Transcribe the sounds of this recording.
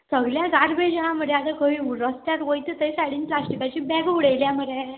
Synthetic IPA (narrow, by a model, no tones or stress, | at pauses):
səɡljãɡaɾbed͡ʑɦãm̤əd̪ead̪akəʋiɾəst̪jat̪ʋəjt̪et̪əisaɽiːnplasʈikat͡ɕiːbɛɡɦuɽejljaməɾe